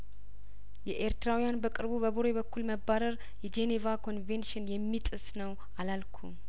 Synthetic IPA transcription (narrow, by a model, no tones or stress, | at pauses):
jɛʔeɾt̪ɨɾawijanbəkʼɨɾbuβəβoɾeβəkʰːulməbːaɾəɾ | jɛd͡ʒenevakʰo̞nvenʃɪnjɛmːit̪ʼɨsnəw | ʔalalkʰu